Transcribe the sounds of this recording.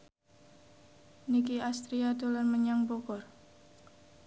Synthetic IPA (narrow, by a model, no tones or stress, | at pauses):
nikiast̪ɾiad̪ulərməɲaŋbokɔr